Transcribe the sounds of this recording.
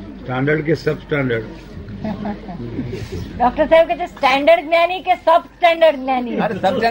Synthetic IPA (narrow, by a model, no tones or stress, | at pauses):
sʈɛ̃ːɳɖəɾɖkesɐbsʈɛ̃ːɳɖəɾɖ | ɖɔːk̚ʈəɾsaːɦɪb̚kɛt͡ʃesʈɛ̃ːɳɖəɾɖmaːnikesɐbsʈɛ̃ːɳɖəɾɖmɛːnis